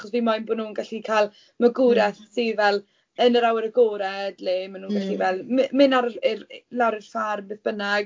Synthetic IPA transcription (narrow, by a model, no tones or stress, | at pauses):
χɔsvimajnbʊdnuːnɡaɬikʰalˠ | məɡʊːɾɛθsivɛlˠ | ənəɾawəɾəɡoːɾɛdleːmanuːnɡaɬivɛlˠmmɪnaɾəɪɾlawɾɪɬfarbɨθb̥ənaɡ